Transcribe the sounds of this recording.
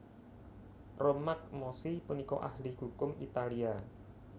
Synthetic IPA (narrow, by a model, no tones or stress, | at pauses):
romak̚mɔsipunikɔ̰ʔahliɦukʊmḭt̪alia